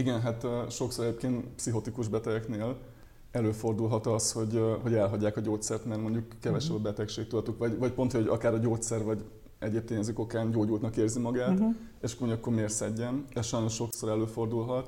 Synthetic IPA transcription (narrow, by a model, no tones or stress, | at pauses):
iɡɛnɦat̪ːʃo̞ksoɛɟeːpkeːnt̪psiɦo̞t̪ikuʒbɛt̪ɛɡɛkneːl | ɛløːfo̞rd̪ulɦɒt̪ɒsho̞ɟɦo̞ɟɛlɦɒɟːaːkɒɟoːt̪sɛrt̪mɛrmo̞ɲɟukːɛvɛʃɛbɒbɛt̪ɛkʃeːk̚t̪ud̪ɒt̪ukʋɒɟvɒcpo̞nt̪hojoɟɒ̰kaːɾɒɟoːt̪sɛrvɒɟ | ɛɟeːp̚t̪eːɲɛziko̞kaːnɟoːɟuːlt̪nɒkeːrzimɒɡaːt̪ | eʃkːmoɲɟuɒkːo̞rmeːrsɛɟːɛnɛʃɒjno̞ʃːo̞kso̞ɾɛløːfo̞rd̪ulɦɒt̪